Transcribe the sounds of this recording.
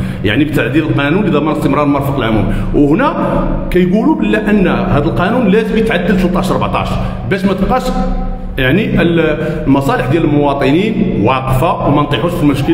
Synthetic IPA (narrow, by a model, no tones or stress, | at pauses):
ja̰ʕnibt̪aʕd̪iləlqɑnunlid̪æmːɑnəst̪əmɾˤɑɾˤmɑɾˤfəqəlʕʊmṵm | whnækæjɡulubəlːæʔənːhæd̪əlqɑnunlæzəmjət̪ʕad̪ːəlt̪lət̪ˤːɑʃɑɾˤbʕt̪ˤɑ̰ʃ | bæʃmæt̪qɑʃ | jaʕniʔəl | lmɑsˤɑləħd̪jæləlmʊwɑt̪ˤəninwɑqfawmænt̪ˤiħuʃfilməʃkə